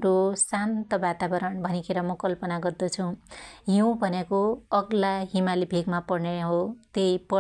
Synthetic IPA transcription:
ɾosant̪ʌbat̪abʌɾʌɳbʱʌnikʰeɾʌmʌkʌlpʌnaɡʌrd̪ʌt͡sʰũɦiw̃bʱʌnekoʌɡlaɦimalibʱeɡmapʌɽneɦot̪ejpʌ

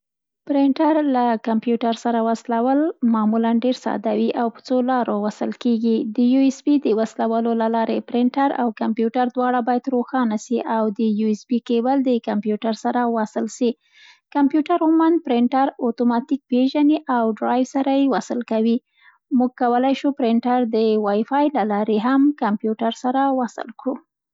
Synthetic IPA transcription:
pɾɪɳʈaɾlakampjuʈaɾsaɾawaslawəlmɑmulanɖeɾsɑ̰d̪awiʔawpə̥t͡solɑɾowasəlkeɡid̪əjuesbid̪əwaslawalolalɑɾepɾɪɳʈaɾa̰wkampjuʈaɾd̪wɑɽabɑjad̪ɾoxɑnasiʔawd̪əjuɪsbikebəld̪əkampjuʈaɾsaɾawasəlʃi | kampjuʈaɾʊmand̪̚pɾɪɳʈaɾot̪omɑt̪ik̚peʒaniʔawɖɾɑjwsaɾajewasəlkawi | muɡ̚kawəlajʃupɾɪɳʈaɾd̪əwɑjfɑjlalɑɾeɦamkampjuʈaɾsaɾawasɪ̰lkɽu

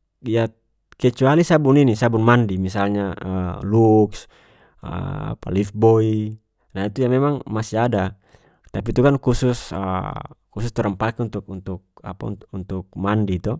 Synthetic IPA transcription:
ja | kɛt͡ʃualisabuninisabunmandimisalɲaəluks | ə̰a̰pa̰lifbɔi | naɦit̪ujamɛmaŋmasiada | t̪ap̬it̪ukankususə̰kusust̪ɔɾəmpakunt̪uk̚unt̪uk̚a̰pa̰nunt̪uk̚mandit̪u

